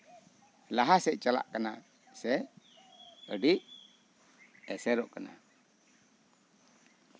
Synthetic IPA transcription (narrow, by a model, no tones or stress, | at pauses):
laɦasɛʔt͡ʃala̰ʔkana | sɛ | əɖiʔ | ɛsɛɾɔʔkana̰